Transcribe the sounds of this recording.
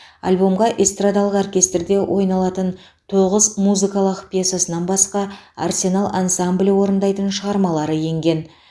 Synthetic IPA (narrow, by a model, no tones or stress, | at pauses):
a̰lʲbo̞mʁɑʔest̪rad̪ɑlˠəqorkʲe̞st̪rd̪e̞wʔo̞̰jnɑlˠɑt̪ən | t̪ʰo̞ʁəzmuzɨkɑlˠəqpʲjesasənɑnbɑsqɑa̰rsʲe̞nalˠʔansamblʲiwo̞ɾənd̪ɑjt̪ənʃəʁɑɾmɑlˠɑɾəje̞ŋɡʲe̞n